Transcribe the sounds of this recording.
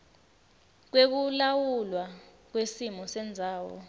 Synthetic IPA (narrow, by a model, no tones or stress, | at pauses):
k̬wek̬ulawulwa | k̬wesimɔsɛnd͡zʱaːwɔ̰